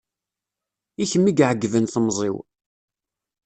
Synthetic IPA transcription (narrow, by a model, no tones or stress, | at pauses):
içəmːiɡʕəɡːvənθəmzˤḭw